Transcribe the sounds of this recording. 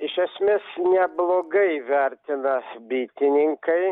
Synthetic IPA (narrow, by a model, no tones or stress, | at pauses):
ɪʃɐsʲmʲeːsnʲɛblˠoːɡɐɪʋʲæɾʲt̪ʲɪnɐbʲiːt̪ʲɪnʲɪŋkɐɪ